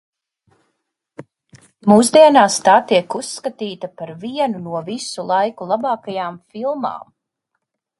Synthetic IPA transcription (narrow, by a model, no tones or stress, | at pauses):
muːzd̪iɛnaːst̪aːt̪iɛkusːkat̪iːt̪apaɾviɛnunuɔvisulˠajkulˠabɑːkajaːmfilˠma̰ːm